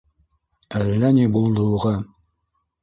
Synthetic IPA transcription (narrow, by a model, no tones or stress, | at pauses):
ælːænibulˠd̪uʁɑ